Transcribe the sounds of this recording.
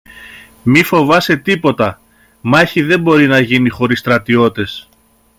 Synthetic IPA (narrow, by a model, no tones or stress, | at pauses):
mifo̞vɐse̞t̪ipo̞t̪ɐ | mɐçiðe̞mbo̞ɾinɐʝinixo̞ɾist̪ɾɐt̪io̞t̪e̞s